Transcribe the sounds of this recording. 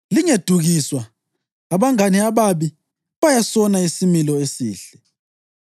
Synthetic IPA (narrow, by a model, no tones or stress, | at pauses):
liŋed̥ʱuɣiswa | aβaŋaniaβaβi | βajasɔnaisimilɔesiːɬɛ